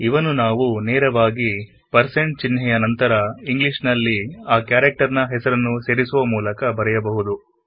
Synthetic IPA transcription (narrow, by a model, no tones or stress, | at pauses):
iʋɐnunaːʋuneːɾɐʋaːɡi | pɐɾseɳʈ̚t͡ʃinɦɛjɐnɐnt̪ɐɾɐiŋɡliʂnɐlːiaːkjaːɾɐk̚ʈɐɾnɐɦɛsɐɾɐnːuse̞ːɾisuʋɐmuːlɐkɐbɐɾɛjɐbɐɦud̪u